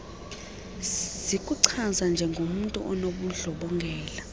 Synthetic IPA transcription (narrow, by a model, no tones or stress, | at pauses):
zikʼuǀʰazand͡ʒʱɛŋɡʱom̩ntʼṵʔɔnoɓuɮɔɓɔŋɡʱɛːla